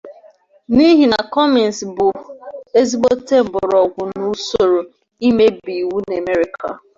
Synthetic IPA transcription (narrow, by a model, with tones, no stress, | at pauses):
ni˦ɦi˨na˨kɔ˦mi˨n˨sbʊ˨e˦zi˦ɡ͡bo˦te˦˨m̩˨bʊ˨ɾɔ˨ɡʷʊ˨nu˦so˨ɾo˨ | i˦me˦bi˨wu˦ne˨me˦ɾi˨kʰa̰˨